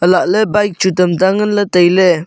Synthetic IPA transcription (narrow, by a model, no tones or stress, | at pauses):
əlaʔlebajk̚t͡ʃutəmtaŋənlətəjlɛ